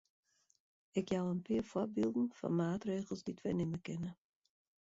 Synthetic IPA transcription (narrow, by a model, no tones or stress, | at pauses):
ɪkjawənpɪːərfɔbiːlˠdn̩fɑ̰nmaːtreːɣəlˠzditʋɛnɪməkɪnə